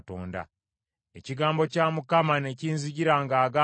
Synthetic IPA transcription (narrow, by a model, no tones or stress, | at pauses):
toːnda̰ | eciɡaːmbo̞caːmukamane̞ciːnziɟiɾaŋɡaːɡa